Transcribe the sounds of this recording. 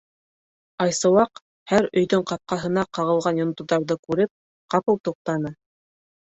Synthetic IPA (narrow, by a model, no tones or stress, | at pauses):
ɑjsɤ̆wɑq | hæɾɵ̆jðɵɴqɑp̚qɑɦɤ̆nɑqɑʁɤ̆lˠʁɑnjŏnɤ̆t̪uðɑɾðɤkʉɾɘp̚ | qɑpɤlˠt̪uq̚t̪ɑnɤ